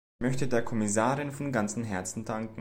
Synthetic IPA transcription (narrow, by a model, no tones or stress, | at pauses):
mœçtədeːɐkʰɔmɪs̬aːʁɪnfɔnɡant͡sn̩ɦɛɐt͡sn̩daŋkŋ̩